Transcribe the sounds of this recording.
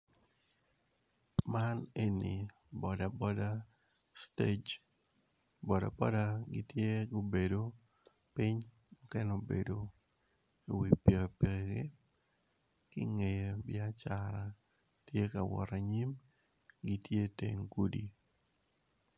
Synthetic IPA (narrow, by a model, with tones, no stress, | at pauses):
ma˦ne˦ni˨ | bɔ˨da˨bɔ˦da˦ | ste˦d͡ʒ | bɔ˨da̰˨bɔ˦da˦ɡɪ˦tje˦ɡo˦be˨do˨ | pɪ˦ɲ | mɔ˦kɛ˦no˦bḛ˨do˨ | e˨wi˨pe˨pe˨ɡe˦ | kɪ˦ŋe˨je˨bɪa˦t͡ʃa˨ɾa˨ | tje˦ka˨wɔ̰˨ɾa˨ɲi˦m | ɡi˦tje˦tḛ˨ŋku˦dḭ˨